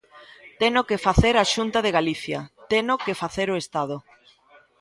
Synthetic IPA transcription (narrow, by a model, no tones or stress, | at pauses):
t̪enokefaθeɾaʃunt̪aðeɣaliθjat̪enokefaθeɾoest̪að̞ʊ